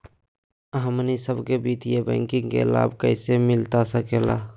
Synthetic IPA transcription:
ɦəmnisəbkebiːt̪ijebɛ̰̃ːŋkɪ̃ŋɡkḛla̰ːbʱkəɪsemɪlt̪asəkeːla̰

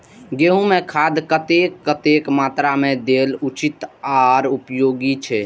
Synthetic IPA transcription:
ɡeɦũmẽkʰad̪kət̪ekːət̪ekmat̪ɾamẽd̪elut͡ʃit̪aɾupjoːɡit͡ʃʰɛ

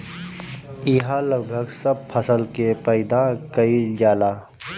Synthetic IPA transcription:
ɪɦaləɡbʱəɡsəb̚pʰəsəlkepəɪd̪akəid͡ʒaːlaː

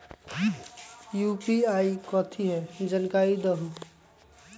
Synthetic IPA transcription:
jupiaːikɔt̪ʰiɦɛd͡ʒənkaid̪əɦu

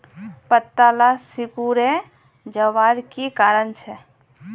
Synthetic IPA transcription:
pət̪ːalasikuɾe | d͡ʒəʋaɾkikaɾənt͡ʃʰɛ

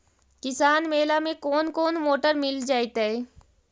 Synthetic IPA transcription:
kɪsaːnmeːlamẽkoːnkoːnmoːʈəɾmɪld͡ʒaːit̪ɛe

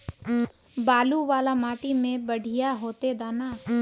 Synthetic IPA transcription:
baːluʋaːlamaːʈimẽbəɽʱijaɦoːt̪ed̪aːna

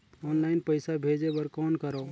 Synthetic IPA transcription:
ɔːnlaɪnpəɪsabʱed͡ʒebəɾkɔːnkəɾɔ

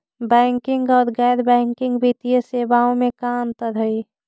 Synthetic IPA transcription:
bɛːŋkɪ̃ŋɡɔːɾɡɛːd̪bɛ̃ːŋkɪ̃ŋɡbʱit̪ijəseːbaõmẽkaːmt̪əɾɦəi

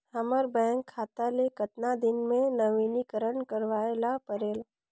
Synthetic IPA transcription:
hɐməɾbɛ̃ːŋkʰːaːt̪alekət̪nad̪ɪnmẽnɐʋiːnikəɾəɳkəɾʋaːlapəɾeːla

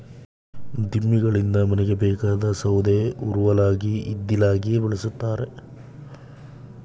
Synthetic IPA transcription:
d̪imːiɡɐɭind̪ɐmɐnɛɡebɛːkaːd̪ɐsɐwd̪euɾuʋɐlaːɡiːd̪ːilaːɡijebiɭɐsut̪ːaːɾe

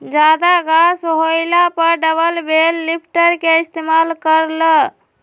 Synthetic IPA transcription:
d͡ʒad̪aɡasɦojlapəɾɖəbəlbelːipʰʈəɾkeist̪emalkəɾlə

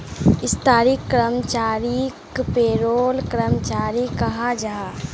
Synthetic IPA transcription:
ɪst̪aːɾikːɾəmt͡ʃaːɾikpeːɾoːlkɾəmt͡ʃaːɾikɐɦad͡ʒaɦa

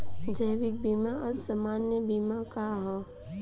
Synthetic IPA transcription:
d͡ʒəjʋɪk̚biːmaɔsəmaːnjəbiːmakaɦɔ

